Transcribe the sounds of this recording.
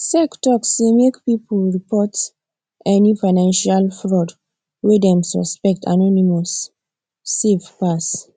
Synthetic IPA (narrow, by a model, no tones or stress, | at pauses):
sɛktɔksemekpipulɹipɔt | ʔɛnifaɪnãnʃalfɹɔd | wedɛ̃msɔ̰spɛk̚tʰa̰nɔnimɔsː | efpas